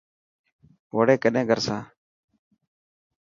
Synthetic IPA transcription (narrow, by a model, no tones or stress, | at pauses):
ʋoɽeːkəɗẽːɡʱəɾsãː